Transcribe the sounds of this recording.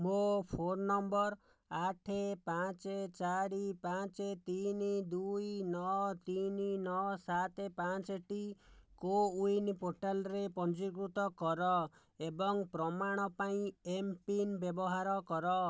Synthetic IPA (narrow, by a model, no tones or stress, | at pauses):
mopʰoɾnɔmbɔɾ | aʈʰepãt͡ʃet͡ʃaɾipat͡ʃet̪inid̪ujnɔt̪ininɔsat̪epat͡ʃeʈikoujnipoʈalɔɾepɔnd͡ʒik̬ɾut̪ɔkɔɾɔ | ebɔŋpɾɔmaɽ̃ɔpaĩempinbjɔbɔɦaɾɔkɔɾɔ